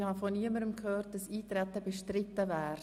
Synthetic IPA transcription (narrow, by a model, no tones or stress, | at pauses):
hɑfɔniəməɾəmkʰhøːrt̚d̥ɑsiːt̪ɾɛt̪əbɛʃtɾɪt̪ːəvɛːɾ